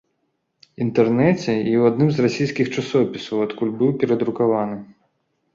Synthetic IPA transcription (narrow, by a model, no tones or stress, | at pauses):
int̪ɛrnɛt͡sʲɛiwad̪nɨmzrasʲijsʲkʲixt͡ʂasɔpʲisɐwat̪kulʲbɨwpʲɛɾɐd̪ɾukavanɨ